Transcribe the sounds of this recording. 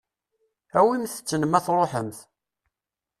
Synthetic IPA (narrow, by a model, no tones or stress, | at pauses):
æwimθə̥t͡sːənəmæθɾˤoħəmθ